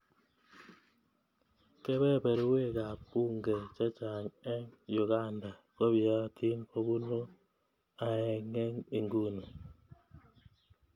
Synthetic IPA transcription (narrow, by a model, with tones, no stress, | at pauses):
kɛ˦bɛ˦˨pe˨ɾwe˦˨ka˨pu˦ŋɡe˨t͡ʃa˦t͡ʃa˨ɲɛ˦ŋjʊ˨ɡa˦˨nda˨ | kɔ˦ba˦tʰi˦npo˦bu˦no˦ | a˨ɛ˨ŋe˦ŋe˨ŋɡu˦no˨